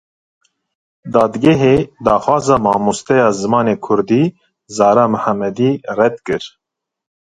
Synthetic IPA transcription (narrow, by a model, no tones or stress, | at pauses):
d̪ɑːd̪ɡɛɦeːd̪ɑːxwɑːzɑːmɑːmust̪ɛjɑːzɨmɑːneːkʰʊɾd̪iː | zɑːɾɑːmʊhæmːɛd̪iːrɛd̪kɨɾ